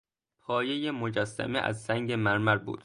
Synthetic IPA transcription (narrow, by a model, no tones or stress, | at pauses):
pʰɒːje̞jemod͡ʒæsːæ̰mḛʔæ̰zsæŋɟe̞mæɾmæɾbṵːd̪̥